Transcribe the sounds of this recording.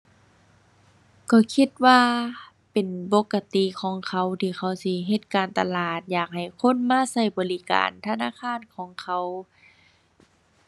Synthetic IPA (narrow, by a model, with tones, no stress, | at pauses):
kʰɔ˧˩kʰi˧˩t̪̚waː˧˨ | pe˨npo˧˥kːa˧t̪i˧˨kʰɔː˨˦ŋkʰa˧wt̪ʰiː˧˩xʰa˧˩wsi˧˦ɦe˧t̪̚kaː˨˩nt̪a˨laː˧˨˩t̪̚jaː˨˩k̚ha˨˩jkʰo˧˥˨nmaː˧˥˨sa˧˩jbɔː˨li˧ka̰ː˨nt̪ʰa˧˨naː˧˥˨kʰaː˧˥˨nkʰɔː˨˦ŋkʰa˧˩w